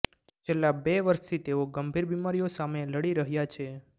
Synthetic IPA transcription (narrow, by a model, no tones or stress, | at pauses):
t͡ʃʰelːabeʋəɾʃt̪ʰit̪eoɡəmbʱiɾbimaɾijosameləɽiɾəɦjat͡ʃʰe